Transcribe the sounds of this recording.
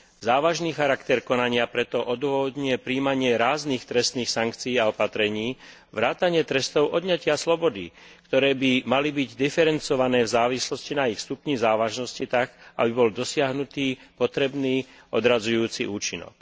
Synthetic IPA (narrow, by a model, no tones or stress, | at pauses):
zaːʋaʒniːxaɾakt̪ɛɾkɔnaɲɪapɾɛt̪ɔʔɔd̪ʊɔʋɔd̪ɲuɛpɾiːmaɲɪɛɾaːzniːxt̪ɾɛst̪niːxsaŋkt͡sijiːaɔpat̪ɾɛɲiː | ʋɾaːt̪aɲɪɛt̪ɾɛst̪ɔʊʔɔd̪ɲacɪaslɔbɔd̪ḭ | kt̪ɔɾɛːbimalibiɟd̪ifɛɾɛnt͡sɔʋanɛːvzaːʋislɔscinaixst̪upɲizaːʋaʒnɔscit̪aɡa̰bibɔld̪ɔsɪaɦnut̪iːpɔt̪ɾɛbniːɔd̪ɾazujuːt͡sḭʔuːt͡ʃinɔ̰k